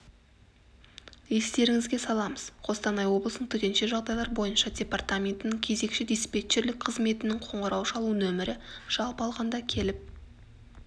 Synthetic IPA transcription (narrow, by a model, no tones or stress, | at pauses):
e̞st̪e̞ɾɪŋɪzɡʲe̞sɑlˠɑməz̥qʰo̞st̪ɑnɑjwo̞blˠəsnəɴt̪ʰʏt̪e̞nʃe̞ʒɑʁd̪ɑjlˠɑɾbo̞jənʃɑdʲe̞part̪amʲe̞nt̪ɪnɪŋkʲʰe̞ze̞kʃɪd̪ʲespe̞t̪ʃeɾlɪk̚ʲqʰəzme̞t̪ɪnɪŋqʰoɴʁəɾɑwʃɑlˠunɵmɪɾɪʒ̥ɑlˠpɑlˠʁɑnd̪ɑkʲʰe̞lɪp̚